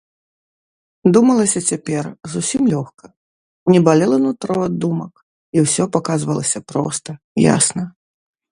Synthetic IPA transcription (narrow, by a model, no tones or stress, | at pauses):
d̪umɐlˠɐsʲɐt͡sʲapʲɛrzusʲimlʲɔxkɐ | nʲɛbalʲɛlˠɐnut̪ɾɔad̪ːumɐk | iwsʲɔpakazvɐlˠɐsʲɐpɾɔ̰st̪ɐ | ja̰snɐ